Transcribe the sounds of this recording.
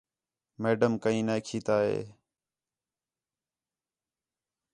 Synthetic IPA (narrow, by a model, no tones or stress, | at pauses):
meːɖəmkəĩːneːkʰiːt̪aːɦḛː